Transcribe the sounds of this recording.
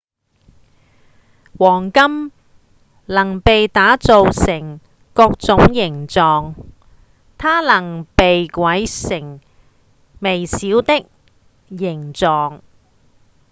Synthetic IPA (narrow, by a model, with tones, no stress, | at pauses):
wɔː˨˩ŋkɐ˥m | lɐ˨˩ŋpe˨jt̪aː˨˥t͡so˨wsɪ˨˩ŋ | kɔː˧k̚t͡sʊ˨˥ŋjɪ˨˩ŋt͡sɔː˨ŋ | t̪ʰaː˥lɐ˨˩ŋpe˨jkʷwɐ˨˥jsɪ˨˩ŋ | me˨˩jsiː˨˥wt̪ɪ˥k̚ | jɪ˨˩ŋt͡sɔː˨ŋ